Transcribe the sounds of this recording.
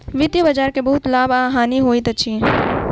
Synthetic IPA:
ʋɪd̪jəbəd͡ʒaːɾkebɐɦʊt̪laːbaːɦaːniɦoːit̪ət͡ʃʰiː

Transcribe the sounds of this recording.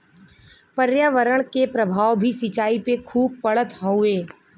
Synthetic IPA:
pəɾjaʋəɾəɽ̃kepɾɐbʱaːʋbʱisɪt͡ʃaːipekʰuːb̚pɐɭət̪ɦɔ̃ʊeː

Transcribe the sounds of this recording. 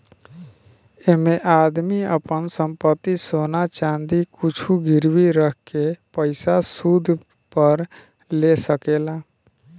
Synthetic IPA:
emẽʔaːd̪miəpənsə̃mpət̪ːisoːnat͡ʃãːnd̪ikʊt͡ʃʰuɡɪɾwiɾəkkepəɪsasud̪ʱ | pəɾ | lesəkeːlaː

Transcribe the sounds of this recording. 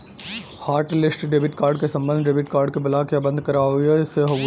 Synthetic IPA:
haːɾʈlɪsʈɖeːbɪʈkaːɾɖkesɐ̃mbə̃nd̪ɖeːbɪʈkaːɾɖ̚kebɐlakjabɐ̃nd̪ʱkɐɾaːuiɛɪseɦɐ

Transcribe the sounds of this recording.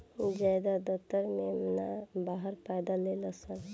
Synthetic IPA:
d͡ʒad̪ad̪ət̪ːəɾmemnabaːɦəɾpɛːd̪aleləsən

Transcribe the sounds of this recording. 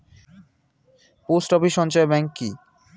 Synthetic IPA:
posʈɔpiʃɔnt͡ɕaebɛŋkːi

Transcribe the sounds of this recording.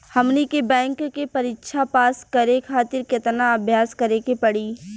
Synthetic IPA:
hɐmnikebɛ̃ːŋkkepɐɾiːtʃʰapaːskɐɾekʰaːt̪ɪɾkɪt̪naɐbʱjaːskɐɾekepɐɽiː

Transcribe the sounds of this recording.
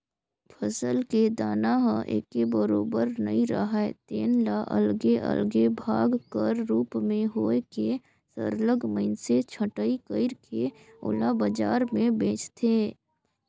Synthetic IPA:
pʰəsəlked̪aːnaɦə̃ʔḛːkebəɾoːbəɾnə̰ĩɾə̰ɦaet̪eːnlaʔə̰lɡeʔə̰lɡebʱaːɡkəɾːuːpmẽɦoːeke | sə̰ɾləɡməɪnset͡ʃʰəʈəikəɪɾke | ʊ̰labəd͡ʒaːɾmẽbẽːt͡ʃt̪ʰeː

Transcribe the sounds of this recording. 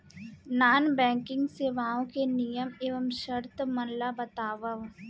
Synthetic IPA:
naːnbɛ̃ːŋkɪ̃ŋɡseːʋaːõkenijəmeːʋəmʃɐɾt̪mɐnlabɐt̪aːʋəʋ

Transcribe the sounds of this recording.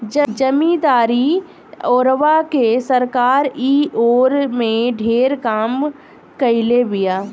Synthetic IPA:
d͡ʒd͡ʒəmĩd̪aːɾi | ɔːɾʋakesəɾkaːɾiːoːɾmẽɖʱeːɾkaːm | kɐɪlebɪjaː

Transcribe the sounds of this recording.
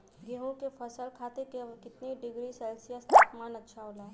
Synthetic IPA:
ɡeːɦũkepʰəsəlkʰaːt̪ekekɪt̪niɖɪɡɾiseːlsijəst̪aːpmaːnɐtːʃʰaɦoːlaː

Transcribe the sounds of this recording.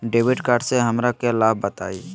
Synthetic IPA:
ɖeːʋɪɖkaːɾɖseɦɐmɾakelaːbbət̪aːiː

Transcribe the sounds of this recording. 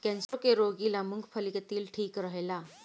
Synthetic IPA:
kɛ̃nsɾokeɾoɡilamuŋɡpʰəlikət̪iːlʈʰiːkɾəɦla

